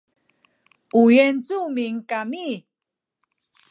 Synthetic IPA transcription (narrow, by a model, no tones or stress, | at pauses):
ujɛnt͡sumiŋkami